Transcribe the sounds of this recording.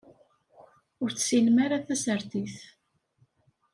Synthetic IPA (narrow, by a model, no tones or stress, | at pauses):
ʊɾθsilmaɾaθæsəɾθiθ